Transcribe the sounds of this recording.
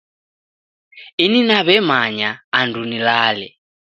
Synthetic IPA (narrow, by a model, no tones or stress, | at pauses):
ininaβɛmaɲaːndʱunilaːlɛ̰